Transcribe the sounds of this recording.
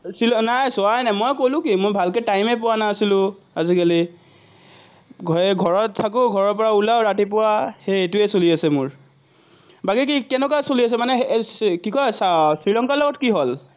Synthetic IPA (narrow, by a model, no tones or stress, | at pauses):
silɔnajsʊanajmojkolʊ̃kimojbʱalkɛtajmɛp̬ʊwanasilʊ̃ | azikali | ɛɡʱɔɹɔtʰːak̬ʊɡʱɔɹɔɹpɔɹaulawɹatip̬ʊwaxejetʊɛsoliasɛmʊɹ | baɡikikɛnɛk̬asolias̬ɛmanɛkikɔjsasɹilɔŋkalɔɡɔtkiɦol